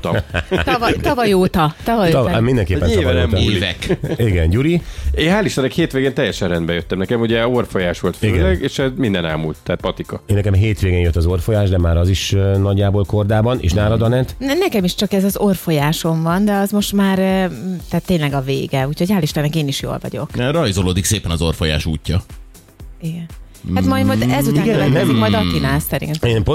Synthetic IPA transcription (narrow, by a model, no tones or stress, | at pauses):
t̪t̪vt̪ɒvɒjoːt̪ɒt̪ɒvɒjt̪mind̪ɛŋkeːppːɛnt̪ɒvɛvɛkiɡɛnɟuɾieːaːliʃt̪ɔnɛkheːt̪ʋeːɡeːnt̪ɛjːɛʃɛnrɛnd̪bɛjøt̪ːɛmnɛkɛmuɟɛorfo̞jaːʃʋo̞lt̪fiɡøɛnlɛɡeːʃɛzmind̪ɛna̰ːmṵlt̪ːɛaːt̪̚pɒt̪ikɒeːnːɛkɛmɦeːt̪ʋeːɡeːnjøt̪ːɒzo̞rfo̞jaːʒd̪ɛmaːɾɒziʃnɒɟːaːboːlko̞rd̪aːbɒnḛːʃnaːlɒd̪ɒnɛt̪nɛkɛmiʃt͡ʃɒkɛzɒzo̞rfo̞jaːʃo̞ɱvɒnd̪ɛɒzmo̞ʃt̪maːɾt̪ɛt̪ːeːnlɛɡɒvḛːɡɛuːchoɟhaːliʃt̪anɛkeːniʃjo̰ːlvɒ̰ɟo̞̰krɒjzoloːd̪ikseːpɛnɒzo̞rfoja̰ːʃuːcːɒ | iɡɛn | at̪mɒjd̪mɔjɛzoiɡɛɛɛzikmɒjd̪ɒt̪inaːsɛɾḭemp